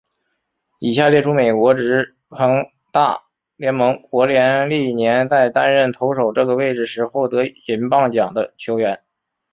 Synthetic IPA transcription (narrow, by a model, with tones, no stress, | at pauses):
i˨˩ɕja˥˧ljɛ˥˧ʈ͡ʂʰu˥me˨˩ɪkwɔ˧˥ʈ͡ʂɻ̩˧˥ | xʰɤ˧˥ŋ | t̪a̰˥˩ | ljɛ˧˥nmɤ˧˥ŋkwɔ˧˥ljɛ˧˥nli˥˩njɛ˧˥nt͡sa˥˩ɪt̪a˥nɻə˥˩nt̪ʰo˧˥ʊʂo˨˩ʊʈ͡ʂɤ˥˩ɡə˩we˥˩ɪʈ͡ʂɻ̩˩ʂɻ̩˧˥xwɔ˥˩ʊt̪ɤ˧˥i˧˥npɑ˥˩ŋt͡ɕjɑ˨˩ŋd̪ə˦t͡ɕʰjo˧˥ʊɥɛ˧˥n